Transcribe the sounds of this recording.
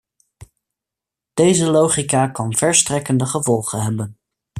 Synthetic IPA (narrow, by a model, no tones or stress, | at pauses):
d̥ejzəlowχikakɑnv̥ɛɹstrɛkəndəχəvɔlˠχənɦɛbən